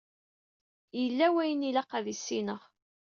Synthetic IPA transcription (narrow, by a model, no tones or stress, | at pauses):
jəlːæwæjənilɑqæðisːinəʁ